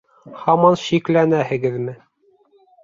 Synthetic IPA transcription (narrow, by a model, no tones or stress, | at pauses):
hɑmɑnʃiklænæhɘ̆ɡɘðmɘ